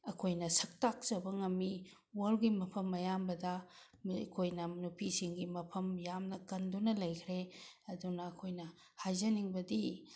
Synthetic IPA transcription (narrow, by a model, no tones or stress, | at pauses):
ɐkʰojnɐsɐk̚tak̚t͡ʃɐbɐŋɐmːi | wolɡimɐpʰɐmːɐjambɐdɐ | kʰojnɐnupʰisiŋɡimɐpʰɐmjamnɐkɐndunɐlɐjkʰɾeɐdunɐːkʰojnɐ | hajzɐniŋbɐdi